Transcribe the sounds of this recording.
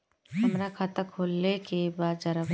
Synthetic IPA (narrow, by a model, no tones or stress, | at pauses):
hɐmɾakʰaːt̪akʰoːlːekebaːd̪d͡ʒɐɾə